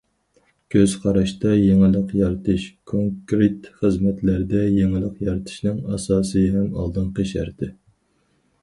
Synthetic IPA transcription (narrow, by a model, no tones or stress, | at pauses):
kʲʰøz̥qʰɑɾɑʃt̪ɑjeŋɪlˠəqjɑɾt̪ʰɨʃkʰoŋkɾet̪χəzmɛt̪læɾd̪ɛjeŋɪlˠəqjɑɾt̪ʰɨ̥ʃnɨŋɑsɑːsɨɦɛmɑ̰lˠd̪ɨŋqeʃæ̰ɾt̪ɪ